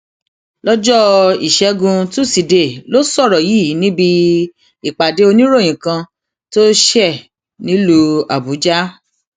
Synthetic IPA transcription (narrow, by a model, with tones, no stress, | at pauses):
lɔ˦d͡ʒɔ˦i˨ʃɛ˨˧˦ɡũ˧tu˦˨si˨de˨lo˦sɔ˦˨ɾɔ˨ji˦˨˦nĩ˦bi˧ | i˨k͡pa˨de˨˦o˧nĩ˦ɾo˦˨j̃ĩ˨kã˧ | to˦ʃɛ˦˨ | nĩ˦lo˧a˨bu˨˦d͡ʒa˦